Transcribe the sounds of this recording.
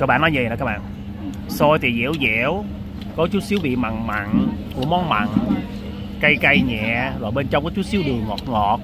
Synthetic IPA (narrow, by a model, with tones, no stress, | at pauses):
ə˨˧˥kɓa̰ː˧˨nɔ˨˦jə̰˧˩kːaː˦k̚ɓa̰ː˧˨ | so˧jt̪ʰi˨˩zɛ̰˧˥əwzɛ˧˨əw | kɔ˨˦t͡ɕu˦˥t̚si˨˦wɓḭ˧˨ma˨˩˨ŋma̰˧˨nku˧˩əmɔ˨˦nma̰˧˨ŋ | ka˧jka˧jɲɛ̰˧˨zo˨˩jɓe˧nt͡ɕɔ˧wŋ͡mkɔ˨˦t͡ɕu˦˥t̚si˨˦əwɗɨ˨˩əŋŋɔ˨˩t̚ŋɔ˨˩t̚